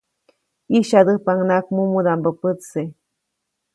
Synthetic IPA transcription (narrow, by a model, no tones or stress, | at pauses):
iʃad̪ɨpaŋnakmumud̪ambəpɨt͡sse